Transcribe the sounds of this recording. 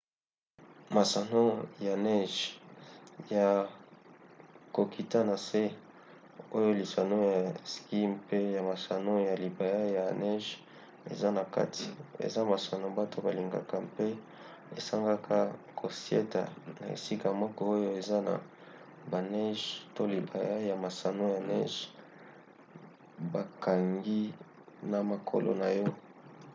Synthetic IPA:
ma˨sa˨no˦ja˨nɛ˦ʒ | ja˨ | ko˨kʰi˨ta˦na˨se˦ | o˦jo˦li˨sa˨no˦ja˨ski˦mpe˦ja˨ma˨sa˨no˦ja˨li˨ba˨ja˦ja˨nɛ˦ʒ | ḛ˨za˦na˨ka̰˦tʰi˨ḛ˨za˦ma˨sa˨no˦ba˦tʰo˦ba˨li˨ŋɡa̰˨ka˦mpe˦ | e˨sa˦ŋɡa˦kʰa˦kʰo˨sjḛ˦ta̰˨na̰˨ḛ˨si˦ka˨mɔ˦kɔ˦o˦jo˦e˨za˦na̰˨ | ba˨nɛ˦ʒto˦li˨ba˨ja˦ja˨ma˨sa˨no˦ja˨nɛ̰˦ʒ | ba˨ka˨ŋɡi˦ | na˨ma˨kʰo̰˦lo̰˨na˨jɔ˦

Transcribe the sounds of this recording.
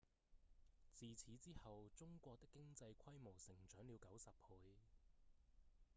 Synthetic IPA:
t͡siː˨t͡sʰiː˨˥t͡siː˥hɐ˨wt͡sʊ˥ŋkʷɔː˧k̚t̪ɪ˥kːɪ˥ŋt͡sɐ˧jkʷʰɐ˥jmo˨˩wsɪ˨˩ŋt͡ʃœː˨˥ŋliː˨˧wkɐ˨˥wsɐ˨p̚hu˨˧j

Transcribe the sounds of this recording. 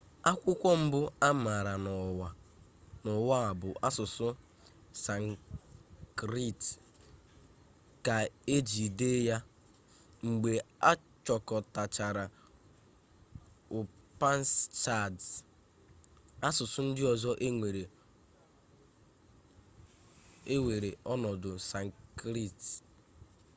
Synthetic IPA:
a˦kʷʊ˦kʷɔ˦m̩˦bʊ˦a˦ma˨ɾa˨nɔ˨wa˨ | nʊ˨wa˦a˨bʊ˨ʔa˦sʊ˨sʊ˦ | sa˨ŋ | kɾi˦˨t | ka˨e˦d͡ʒi˨de˦ja˦ | ŋ͡m̩˨ɡ͡be˨a˦ | t͡ʃɔ˨kɔ˨ta˨t͡ʃa˨ɾa˨ | ʊ˨pa˦n˦st͡ʃa˦˨d | a˦sʊ˨sʊ˦n̩˦dɪ˦ɔ˨zɔ˦ʔe˦ŋʷe˨ɾe˨ | e˦we˨ɾe˨ʔɔ˦nɔ˨dʊ˨sa˨ŋ˨kɾi˦˨t

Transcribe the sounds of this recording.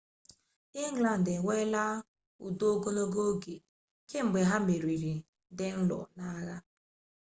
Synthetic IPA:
ɪ˦ŋ̩˦ɡla˨n̩˨dɪ˨wʷe˦la˦ | ṵ˨do˦o˦ɡo˦no˦ɡo˦ɡe˨ | ke˦ŋ͡m̩˨ɡ͡be˨ɦa˦me˨ɾi˨ɾi˨ | dɪ˨n̩˦lɔ̰˨na˦ɣa˦

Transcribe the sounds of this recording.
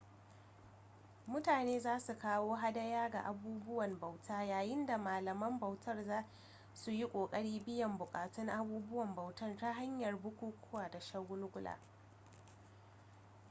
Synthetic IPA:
mʊ˦taː˨neː˦zaː˦su˨kaː˦woː˦ɦa˦dɐ˦jaː˦ɡa̰˨ʔa˨buː˦bʊ˦wɐ˨mbɐ˨wtʰaː˦jaː˨jɪ˦nda˨maː˨lɐ˨mɐ˦mbɐ˨wtʰɐ˦rzaː˦ | su˨ji˦kʷʼoː˨kʼɐ˦ɽiː˦bɪ˦jɐ˨mbʊ˨kʼaː˨tʊ˦ŋʔa˦buː˦bʊ˦wɐ˨mbɐ˨wtɐ˦nta˦ɦa˦ɲjɐ˨rbʊ˦kʷuː˦kʷʊ˦waː˨da˨ʃɐ˦ɡʷʊ˦lɡʷʊ˦la̰ː˨

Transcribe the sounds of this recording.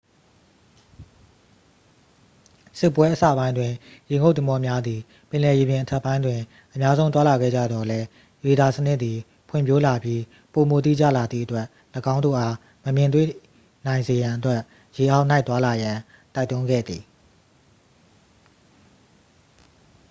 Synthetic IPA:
sɪ˦pːwɛ˦ʔəsa̰˦˨bã˦ɪ̃ndwɪ̃˨je˨ŋo˦ʊt̪ə˨mɔ˦mja˦d̪ði˨ | pɪ̃˨lɛ˨je˨bjɪ̃˨ʔətʰɛ˦˨pːã˦ɪ̃ndwɪ̃˨ | ʔə˨mja˦zõ˦ʊ̃t̪wa˦la˨ɡɛ̰˦˨d͡ʑa̰˦˨d̪ɔ˨lɛ˦ | je˨da˨sənɪ˦ʔ̪t̪ːi˨ | pʰwɪ̰̃˦˨pjo˦la˨bji˦ | po˨mo˨t̪ḭ˦˨d͡ʑa̰˦˨la˨d̪ðḭ˦˨ʔətwɛ˦ʔ | lə˨ɡã˦ʊ̃ndo̰˦˨ʔa˦ | məmjɪ̃˨nt̪wḛ˦˨ | nã˨ɪ̃nze˨jã˨ʔətwɛ˦ʔ | je˨ʔa˦ʊʔna˦ɪt̪wa˦la˨jã˨ | ta˦ɪtʊ̃˦ŋɡɛ̰˦˨d̪ði˨

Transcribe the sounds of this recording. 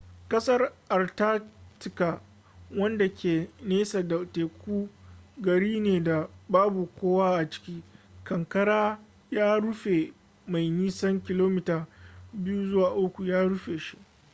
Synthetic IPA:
kɐ˦sɐ˦rʔa˨rtaː˦tɪ˨ka˨ | wɐ˦nda˨kʲʰeː˨neː˦sa˨da˨teː˨kʷuː˦ɡɐ˨ɽiː˦neː˨da˨baː˦bu˨kʷoː˦waː˦ʔa˨t͡ʃɪ̥˦kʲiː˦kɐ˨ŋkɐ˦ɽaː˦ | jaː˦ɽʊ˦ɸe˨ | ma˨jniː˦sɐ˦ŋkʲɪ˨loː˦mɪ˦taː˨bɪ˦ju˦zʊ˦waː˨ʔʊ˦kʷu˨jaː˦ɽʊ˦ɸeː˨ʃi˦ʔ

